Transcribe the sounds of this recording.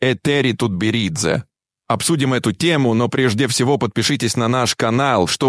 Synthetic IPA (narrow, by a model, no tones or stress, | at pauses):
ɛt̪ɛɾʲɪt̪ut̪̚bʲɪɾʲid̪zə̰ | ɐpsudʲɪmɛt̪ʊtʲemʊno̞pɾʲeʐdʲɪfsʲɪvo̞pət̪̚pʲɪʂɨtʲɪsʲnɐnaʂkɐnalˠʂt̪o